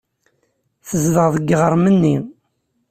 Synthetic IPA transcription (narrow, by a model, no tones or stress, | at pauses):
θəzðəʁðəɡːʁəɾˤmənːi